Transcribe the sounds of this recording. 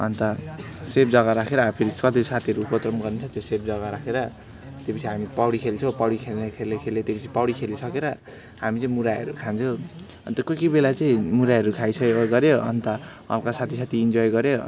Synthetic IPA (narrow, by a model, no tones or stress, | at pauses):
ʌ̰nt̪ʌsep̚d͡zʌɣaɾakʰeɾʌːpʰiɾiskʌt̪isat̪ʰiʌɾuːpʌt̪rʌmɡʌrnet͡sʰʌt̪esep̚d͡zʌɣaɾakʰeɾʌ | t̪jopʌt͡sʰiɦamipʌwɽikʰelt͡sʰopʌwɽikʰelnekʰelekʰeljet̪jopʌt͡sʰipʌwɽikʰelisʌkeɾʌ | hamit͡saĩmuɾajʌ̰ɾukʰant͡sʰʌ | ʌnt̪ʌkʌkibelat͡sʌĩmuɾajɦʌɾukʰajt͡sʰʌɡʌɾjoʌ̰nt̪ʌ | ʌ̰lkasat̪ʰisat̪ʰiːnd͡zɔjɡʌɾjo